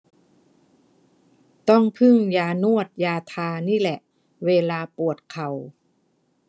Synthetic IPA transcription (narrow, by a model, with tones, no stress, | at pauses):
t̪ɔ˥˩ŋpʰɯ˥˩ŋjaː˧nu˥˩ət̪̚jaː˧t̪ʰaː˧niː˥˩lɛ˨˩ʔ | weː˧laː˧pu˨˩ət̪̚kʰa˨˩w